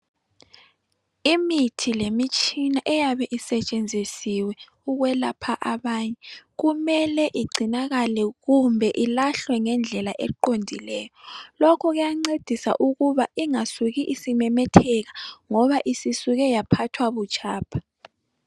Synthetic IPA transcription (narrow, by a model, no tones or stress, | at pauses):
imitʰilemit͡ʃʼinaʔɛjaβɛʔisɛt͡ʃʼend͡zʱisiwɛ | uɣwɛlapʰaʔaβaːɲɛɣumɛlɛʔiɡ͡ǀʱinaɣalɛɣumbʱɛʔilaɬwɛŋɛnd͡ɮʱɛlaʔɛǃondʱilɛːjɔlɔkʰɔɣujaŋ͡ǀed̥ʱisa̰ʔuɣuβaiŋasuɣiʔisimɛmɛtʰɛɣaŋɔβaʔisisuɣɛjapʰatʰwaβut͡ʃʼʰaːpʰḁ